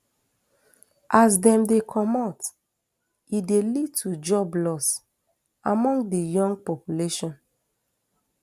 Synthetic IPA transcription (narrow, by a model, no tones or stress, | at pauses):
ʔasdɛ̃mdekʰɔmɔt | idelid̚tʰud͡ʒɔblɔs | ʔamɔ̃ŋɡdijɔ̃ŋɡ̚pɔpjuleʃɔ̃n